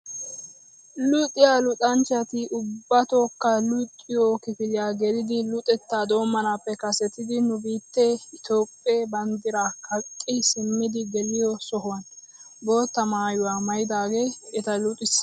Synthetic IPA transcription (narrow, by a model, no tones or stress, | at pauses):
lʊt̪ʼːɪjalʊt̪ʼɐnt͡ʃɐt̪ɪʔʊbːɐt̪o̞ːkːɐlʊt̪ʼːɪjokɪkɪlɪjaːɡɛd̪ɪd̪ɪlʊt̪ʼɛt̪ːaːd̪o̞ːmːɐnaːpːɛkɐsɛt̪ɪd̪ɪnʊbiːt̪ːɛɪt̪o̞ːpʼːeːbɐnd̪ɪɾaːkʰɐkʼːɪsɪmːɪd̪ɪɡɛlɪjɔsɔɦʊwɐn | bo̞ːt̪ːɐmaːjʊwaːmɐjɪd̪aːɡe̞ːɛt̪ɐlʊt̪ʼɪs